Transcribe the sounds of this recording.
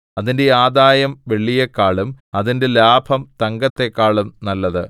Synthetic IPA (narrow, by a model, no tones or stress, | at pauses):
ɐðinde̞aːd̪aːjɐmʋe̞ɭːijɐkːaːɭumɐðinde̞laːbʱɐmt̪ɐŋɡɐt̪ːe̞kːaːɭumnɐlːɐðɨ